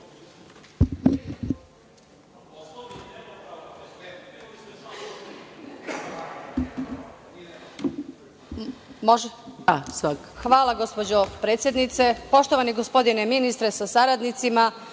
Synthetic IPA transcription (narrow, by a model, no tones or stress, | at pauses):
moʒasʋakxʋaːlˠaɡo̞spod͡ʑopɾet̪sjed̪nit̪se̞po̞ʃt̪oʋaniɡospo̞d̪ineminist̪ɾesasaɾad̪nit̪sima